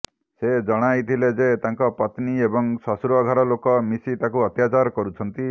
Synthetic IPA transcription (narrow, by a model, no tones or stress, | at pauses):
sed͡ʒɔɽ̃ajt̪ʰiled͡ʒet̪aŋkɔpɔt̪niebɔŋsɔsɾuɔɡʱɔɾɔlokɔmisit̪akuɔt̪jat͡ʃaɾkɔɾut͡ʃʰɔnt̪i